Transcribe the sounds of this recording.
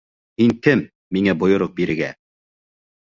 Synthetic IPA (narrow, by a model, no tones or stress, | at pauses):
hiŋkɘmː | iŋæbŏjŏɾoq̚biɾɘ̆ɡæ̰